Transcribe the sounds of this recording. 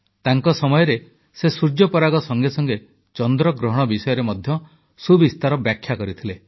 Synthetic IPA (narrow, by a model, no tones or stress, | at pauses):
t̪aŋkɔsɔmɔjɔɾe | sesuɾd͡ʒjɔpɔɾaɡɔsɔŋɡesɔŋɡe | t͡ʃɔnd̪ɾɔɡɾɔɦɔɽ̃ɔbisɔjɔɾemɔd̪ʱjɔ | subist̪aɾɔbjakʰjakɔɾit̪ʰile